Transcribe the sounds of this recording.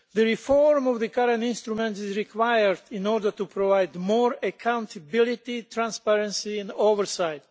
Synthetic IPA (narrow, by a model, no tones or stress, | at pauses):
ðəɹifɔɹmɔvðəkʰaɾɛ̃ntĩnst̪ɾumɛ̃ntizɹikʰwajəɹd̪ĩnɔɾdə˞t̪upʰɾɔvajd̪mɔːɹəkʰãw̃nt̪ʰəbilit̪itʰɹãnspɛɹɛ̃nsiɛ̃novəɹsaɪt̪̚